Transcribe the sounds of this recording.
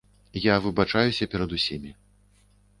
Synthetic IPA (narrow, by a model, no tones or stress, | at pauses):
javɨbat͡ʂajusʲɐpʲɛɾɐd̪usʲimʲi